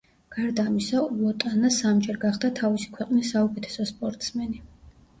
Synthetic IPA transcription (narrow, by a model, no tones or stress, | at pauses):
ɡ̥aɾd̪aːmisaulˠɔt̪ʼanasamd͡ʒʼɛɾɡaχd̪at̪ʰavisi̥kʰwɛqʼnisːaukʼɛt̪ʰɛ̥sɔspʼɔɾt̪ʼsmɛni